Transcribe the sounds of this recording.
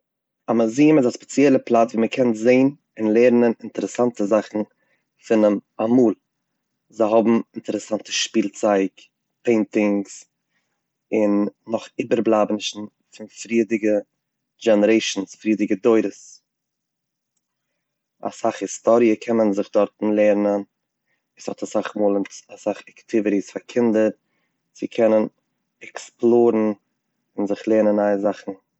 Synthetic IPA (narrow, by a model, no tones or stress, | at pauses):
amaziːmɪzaspɛ̥t͡sjɛlˠəplˠatviːməkʰɛntzeɪn | ɪnlˠeːɾnənɪntəɾəsantəzaχn̩ | fɪnəmamuːlˠ | zaɪɦɔbm̩ɪntəɾɛsantə̥ʃpiːlˠt͡saɪk | peɪntɪŋs | ɪnːɔχiːbəɾblˠaːbnɪʃn̩ | fɪnfɾiːdɪɡə | d͡ʒɛnəɾeɪʃn̩sfɾiːdɪɡədoɪɾəs | a̰saχhɪstɔɾiəkʰɛmənzɪχdɔɾtn̩lˠeːɾnən | ɪshɔtasaχmuːlˠəntasaχaktʰɪvɪɾisfaɾkʰɪndəɾ | z̥ɪkʰɛnən | ɛksplˠoːɾn̩ | ɪnzɪχlˠeːnənaɪzaχn̩